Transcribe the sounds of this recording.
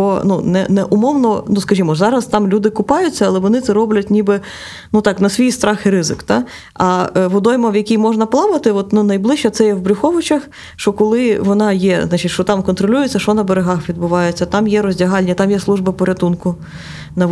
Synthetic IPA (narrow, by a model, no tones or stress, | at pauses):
ɔnunɛ̰nɛʔʊmɔwnɔnuskɐʒʲimɔzɑɾɐst̪ɑmlʲud̪ɪkʊpɑjʊtʲt͡sʲːɐɐlˠɛʋɔnɪt̪sɛɾɔblʲɐtʲnʲibɪ | nut̪ɑknɐsʲʋʲijst̪ɾɑxɪɾɪzɪkt̪ɑ | ɐʋʊd̪ɔjmɐʋjɐkʲijmɔʒnɐplˠɑʋɐt̪ɪɔt̪nunɐjblˠɪʃt͡ʃɛt̪sɛjɛʋbɾʲʊxɔʋʊt͡ʃɐx | ʃt͡ʃɔkɔlˠɪʋɔnɑjɛznɑt͡ʃɪtʲʃt͡ʃɔt̪ɑmkɔnt̪ɾɔlʲujʊt͡sʲːɐʃt͡ʃɔnɐbeɾeɦɑxʋʲid̪bʊʋɑjet͡sʲːɐt̪ɑmjɛɾɔzʲdʲɐɦɑlʲnʲit̪ɑmjɛslˠuʒbɐpɔɾʲɐt̪unkʊ | nɐ